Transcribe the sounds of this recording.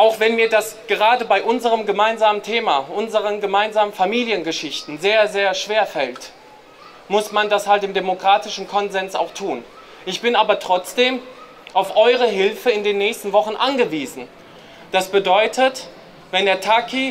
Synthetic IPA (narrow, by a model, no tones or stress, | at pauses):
ʔaʊxv̥ɛnmiːɐdasɡ̥əʁaːdəbaɪʔʊnzəʁəmɡəmaɪnzaːməntʰeːmaʔʊnzəʁ̞ənɡəmaɪnzaːmənfamiːljənɡəʃɪçtn̩zeːɐzeːɐʃv̥eːɐfɛlt | mʊsmandashaltɪmdemokʁ̥aːtɪʃn̩kʰɔnzɛnsa̰ʊxtʰuːn | ʔɪçb̥ɪnaːbɐtʁ̥ɔt͡sd̥eːm | ʔaʊfʔɔʏʁ̞əɦɪlfəɪndeːnːɛːçstn̩vɔχn̩ʔanɡəviːzn̩ | d̥asb̥ədɔʏtʰət | vɛndeːɐtʰakʰi